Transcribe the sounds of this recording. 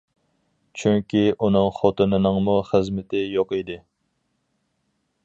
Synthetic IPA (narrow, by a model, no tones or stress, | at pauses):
t͡ʃʰyŋkʲiʔunɨŋχot̪ʰɨnɨnɨŋmuχəzmɪt̪ʰɪjoqid̪ɪ